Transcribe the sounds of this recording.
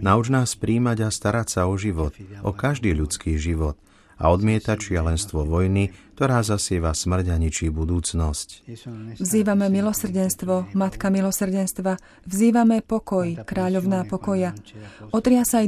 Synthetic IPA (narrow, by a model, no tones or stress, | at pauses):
naud͡ʒnaːspɾiːmaɟast̪aɾacsaɔʒiʋɔt̪ʔɔkaʒd̪iːʎut͡skiːʒiʋɔt̪ | a̰ɔd̪mɪɛt̪at͡ʃɪalɛnst̪ʋɔʋɔjnik̚t̪ɔɾaːzasɪɛʋasmr̩ɟaɲit͡ʃiːbud̪uːt͡snɔscvziːʋamɛmilɔsr̩ɟɛnst̪ʋɔmat̪kamilɔsr̩ɟɛnst̪ʋa | vziːʋamɛpɔkɔjkɾaːʎɔʊnaːpɔkɔjaɔt̪ɾɪasaj